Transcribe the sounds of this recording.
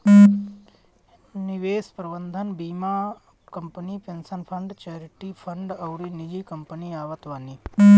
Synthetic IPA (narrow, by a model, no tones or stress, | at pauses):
niʋeːspɾɐbənd̪ʱɐnbiːmaː | kɐmpənipensɐnpʰɐɳɖt͡ʃeːɾiʈipʰɐɳɖɐwɾinid͡ʒikɐmpəniaːʋɐt̪ʋaːni